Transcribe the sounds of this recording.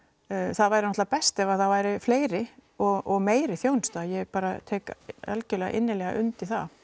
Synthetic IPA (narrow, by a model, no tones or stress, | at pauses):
θaðvaːjɾɪnɔt̪apɛst̪ɛvaθaðvaːjɾɪfleːjɾɪɔɣʔɔɣmeːjɾɪθjoːwnst̪ajɛɣpaːɾa̰t̪ʰɛːkɛ̰lcʏlɛːɣa̰ʔɪnːɪlɛːɣa̰ʔʏnt̪iθa̰